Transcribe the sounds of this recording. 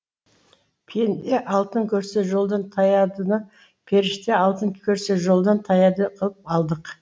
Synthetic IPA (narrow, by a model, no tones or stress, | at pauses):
pʰend̪e̞ʔɑlˠt̪əŋkʲʰɵɾse̞ʒo̞lˠd̪ɑnt̪ʰɑjɑd̪ənə | pʰeɾɪʃt̪e̞ɑlˠt̪əŋkʲʰɵɾseʒo̞lˠd̪ɑnt̪ʰɑjɑd̪əqʰəlˠəp̚ɑlˠd̪əq